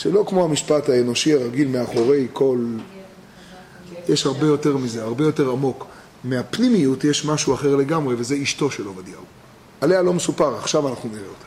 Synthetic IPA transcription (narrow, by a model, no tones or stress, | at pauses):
ʃelo̞kmo̞hamiʃpathaeno̞ʃiaʁaɡilmeaχo̞ʁe̞jko̞l | jeʃhaʁbejo̞te̞ʁmize̞aʁbe̞jo̞te̞ʁamo̞k | meapnimijutjeʃmaʃuaχe̞ʁle̞ɡamʁe̞ve̞ze̞iʃto̞ʃelo̞vad̪jau | ale̞alo̞mesupaʁaχʃavanaχnuniʁeota